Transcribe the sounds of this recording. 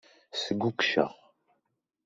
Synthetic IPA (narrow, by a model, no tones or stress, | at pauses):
səɡukʃə̰ʁ